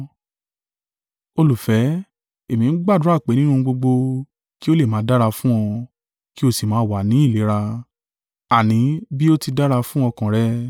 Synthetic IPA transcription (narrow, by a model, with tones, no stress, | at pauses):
o˧lu˨fɛ˨˦ | e˨mĩ˧n̩˦ɡ͡ba˦˨du˨˦a˦˨k͡pe˨˦nĩ˦nũ˧ɡ͡bo˧ɡ͡bo˧ | ki˦o˦le˦˨mãː˨˦da˦ɾa˧fũ˦ɔ̃˧ | ki˦o˧si˨mãː˨˦˨wa˨˦nĩ˨˦i˦˨le˨˦ɾa˧ | a˨nĩ˨˦bi˦o˦ti˧da˦ɾa˧fũ˦ɔ˧kã˨ɾɛ˦